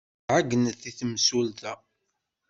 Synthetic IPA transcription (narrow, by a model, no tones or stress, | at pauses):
ʕaɡənəθiθəmsult̪æ